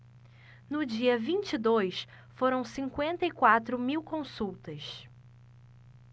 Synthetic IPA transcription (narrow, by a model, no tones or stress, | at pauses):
nʊd͡ʒiɐvĩt͡ʃid̪ojs | foɾɐ̃w̃sĩŋkwẽnt̪ɐikwat̪ɾʊmiwkõsuwt̪ɐs